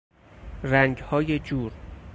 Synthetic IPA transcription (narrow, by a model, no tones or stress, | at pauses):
ɾæŋɟhɒːje̞d͡ʒuːɾ